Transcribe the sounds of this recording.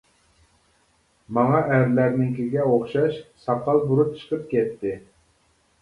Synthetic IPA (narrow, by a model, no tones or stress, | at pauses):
mɑŋɑʔæɾlæɾnɪŋkʲiɡʲɛoχʃɑʃsɑqɑlˠbuɾup̚t͡ʃʰə̥qəp̚kʲɛt̪ːɪ